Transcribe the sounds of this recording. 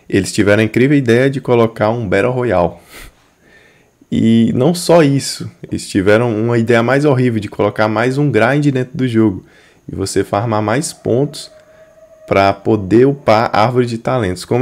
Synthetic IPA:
elɪst͡ʃivɛɾɐ̃ĩkɾivewid̪ɛjɐd͡ʒɪkolokaɾũbɛɾʔɐɦojaw | ɪ̰nɐ̃w̃sɔisʊelɪst͡ʃivɛɾɐ̃w̃ũmɐid̪ɛjɐmajzoɦivewd͡ʒɪkʰolokaɾmajzũɡɾaj̃d͡ʒɪd̪ẽnt̪ɾʊd̪ʊʒoɡʊ | ɪvosefaɾmamajspõ̰nt̪ʊ̥s | pɾɐpod̪eopaɾa̰ɾvoɾɪd͡ʒɪt̪alẽnt̪ʊskõm

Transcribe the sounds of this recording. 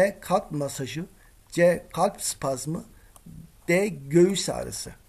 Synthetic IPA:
ɛkʰalʲpmasaʒɯ | d͡ʒɛkʰalʲpspʰazmɯ | d̪̥ɛɟøjysa̰ːɾɯ̰sɯ̰

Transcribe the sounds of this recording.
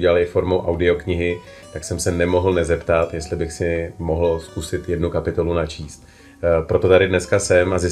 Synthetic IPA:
ɟɛlalɪfo̞ɾmo̞wʔawdɪo̞kɲɪɦɪ | t̪aksɛmsɛnɛmo̞ɦl̩nɛzɛpt̪at̪jɛst̪lɪbɪxsɪmo̞ɦl̩skusɪt̪jɛdnukapɪt̪o̞lunat͡ʃiːst̪ | pɾo̞t̪o̞t̪adɪdnɛskasɛmazɪ

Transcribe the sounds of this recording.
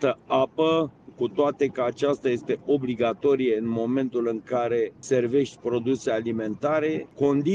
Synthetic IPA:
t̪əapəkut̪oat̪e̞kəat͡ʃast̪aje̞st̪e̞ʔo̞bliɡat̪o̞ɾije̞ɨnmo̞me̞nt̪ulɨŋkaɾe̞se̞rve̞ʃt̪ʲpɾo̞d̪use̞alime̞nt̪aɾe̞ko̞nd̪i

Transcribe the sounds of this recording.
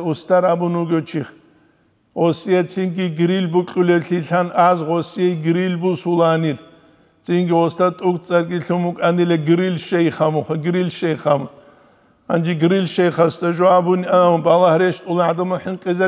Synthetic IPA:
ust̪ʰaɾabunuɡɔt͡ʃʰiχ | ʁɔsijɛt͡sʰinɡiɡɨɾilbukʼulɛɬiɬanaːzʁɔsijɛɡɨɾilbusulaːnir | t͡sʰʼinɡiʁɔst̪ʰat̪ʼukʼt͡sʼɐrɡʼiɬumukʼanilɐɡɨɾilʃɐjχamuχʷɐɡɨɾilʃɛjχam | a̰nd͡ʒiɡɨɾilʃɐjχɐst̪ʰʼɐʒɔabuniɐmbalɐhɾɛʃt̪ʼulaʕad̪ɐmɐħɨnqʼizɐ

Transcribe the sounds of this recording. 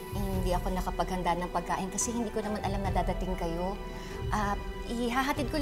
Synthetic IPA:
ɪŋhɪnd̪iʔɐko̞nɐkɐpɐɡ̚hɐnd̪anɐŋpɐɡ̚ka̰ːʔɪnkɐsɛhɪnd̪iːko̞nɐmanʔɐlamnɐd̪aːd̪ɐt̪ɪŋkɐjo̞ | ʔɐp | ʔɪɦaɦɐt̪ɪd̪̚kol

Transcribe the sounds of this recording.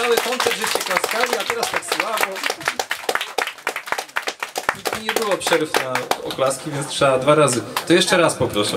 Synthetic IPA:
awɛpɔnt̪sɛɡʐɛɕt͡ɕɛklaskalʲiat̪ɛɾast̪aksɨwavɔ | iiɲɛbɘwɔpʂɛɾɘfnaɔ̰klaskʲivʲjɛntʂɛad̪vaɾazɘt̪ɔjɛʂt͡ʂɛɾaspɔpɾɔʂɛ

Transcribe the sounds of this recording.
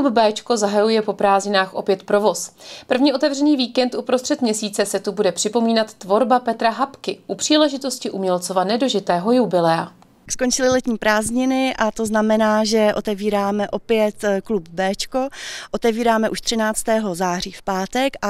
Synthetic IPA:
klubbɛːt͡ʃko̞zaɦajujɛpo̞pɾaːzɲɪnaːxʔo̞pjɛt̪pɾovo̞spr̩vɲiːʔo̞t̪ɛvrɛniːviːkɛnt̪ʔupɾost̪r̥ɛt̪mɲɛsiːt͡sɛsɛt̪ubudɛpr̝̥ɪpo̞miːnat̪ːvo̞ɾbapɛt̪ɾaɦapkɪʔupr̝̥iːlɛʒɪt̪o̞scɪʔumɲɛlt͡sovanɛdo̞ʒɪt̪ɛːɦo̞jubɪlɛa | skont͡ʃɪlɪlɛt̪ɲiːpɾaːzɲɪnɪʔat̪o̞znamɛnaːʒɛʔo̞t̪ɛviːɾaːmɛʔo̞pɪjɛt̪klub̚bɛːt͡ʃko̞ʔo̞t̪ɛviːɾaːmɛʔuʃt̪r̥ɪnaːt͡st̪ɛːɦo̞zaːriːfpaːt̪ɛkʔa

